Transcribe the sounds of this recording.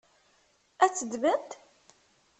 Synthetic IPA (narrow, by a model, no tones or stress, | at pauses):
æt͡sːəd̪mənt̪